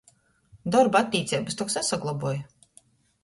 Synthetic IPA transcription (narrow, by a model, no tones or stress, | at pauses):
d̪ɔɾbat̪ʲːiːt̪sʲɛjbast̪ɔksasaɡlˠabuɔj